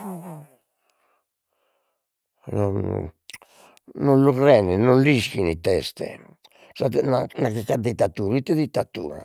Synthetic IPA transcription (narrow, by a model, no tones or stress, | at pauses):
nɔn | nɔnlukɾɛnɛnɔnliskinit̪ɛst̪ɛ̰ | sat̪nanakɛkad̪it̪ːat̪uɾit̪ːɛðit̪ːat̪ṵːɾa̰